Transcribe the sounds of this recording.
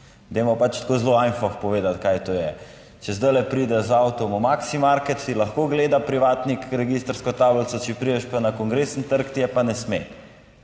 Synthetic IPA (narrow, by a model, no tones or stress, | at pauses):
d̪emɔpat͡ʃt̪koːzloajnfɔxpɔʋeːd̪at̪kajt̪oːjɛ | t͡ʃɛzd̪ajlɛpɾid̪ɛzawt̪ɔmɔmaksimaɾkɛt̪silɐxkoːɡleːd̪apɾiʋaːt̪nikɾɛɡist̪ɾskɔt̪aːblt̪sɔt͡ʃɛpɾid̪ɛʃpanakɔŋɡɾesənt̪əɾkt̪ijɛpanɛsme